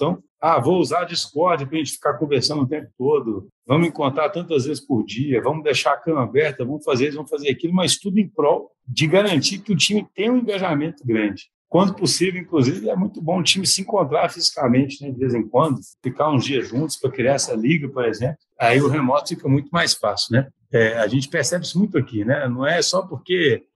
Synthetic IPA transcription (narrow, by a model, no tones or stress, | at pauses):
ẽt̪ɐ̃w̃ | avouzaɾd͡ʒiskɔɾd͡ʒɪɐpɾɐʒẽnt͡ʃɪ̥fi̥kakõveɾsɐ̃nd̪ʊt̪ẽmpʊ̥t̪od̪ʊ | vɐ̃mʊẽkõnt̪ɾat̪ɐ̃nt̪ɐzvezɪspʊɾd͡ʒiɐvɐ̃mʊd̪ejʃaakɐ̃mabɛɾt̪ɐvɐ̃mʊfazevɐ̃mʊfazeɾakilʊmɐst̪ud̪ʊẽj̃pɾɔw | d͡ʒɪɡaɾɐ̃nt͡ʃikɪʊt͡ʃĩmɪt̪ẽj̃ũẽŋɡaʒamẽnt̪ʊɡɾɐ̃d͡ʒɪ | kwɐ̃nd̪ʊpʊsivewĩŋkluzivɪɛmũj̃t̪ʊbõʊt͡ʃĩmɪsɪẽkõnt̪ɾaɾfizikamẽt͡ʃɪnɛd͡ʒɪvezẽkwɐ̃d̪ʊfikaɾũzd͡ʒiɐzʒũnt̪ʊ̥spɾɐkɾiaɾɛsɐliɡɐpoɾezẽplʊaiʊɦemɔt̪ʊ̥fikɐmũj̃t̪ʊmajsfasʊnɛ | ɛaʒẽnt͡ʃɪ̥peɾsɛbɪsɪmũj̃t̪ʊɐkinɛnɐ̃w̃ɛsɔpoɾke